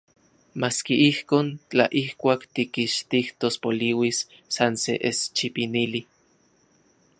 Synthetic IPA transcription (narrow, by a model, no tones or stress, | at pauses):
maːskiʔihkoːnt͡ɬa̰ʔihkʷaːkt̪ikiʃt̪iht̪ospoliwisː | ansḛʔest͡ʃipinili